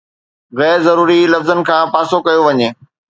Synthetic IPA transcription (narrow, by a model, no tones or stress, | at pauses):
ɣɛːɾzɐɾuːɾilɐfzənɪ̆kʰãːpaːsokɐjoʋɐɲeː